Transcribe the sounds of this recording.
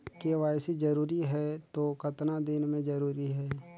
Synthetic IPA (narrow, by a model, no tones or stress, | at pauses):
keʋaːjsid͡ʒɐɾuːɾiɦɛt̪okɐt̪nad̪ɪnmẽd͡ʒɐɾuːɾiɦɛː